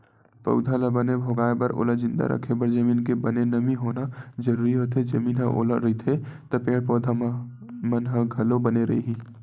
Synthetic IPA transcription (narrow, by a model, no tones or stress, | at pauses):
pə̰ʊd̪ʱaləbənebʱoːɡaːebɐɾʔo̰ːlad͡ʒɪ̃nd̪a̰ɾʔə̰kʰebəɾd͡ʒəmiːnkebənenəmiɦoːnad͡ʒəɾuːɾiɦot̪ʰed͡ʒəmiːnɦə̃ʔo̰ːla̰ɾəit̪ʰet̪opeːɽpoːd̪ʱa | mənɦə̃ɡʱɐlobəneɾɐḭɦĩː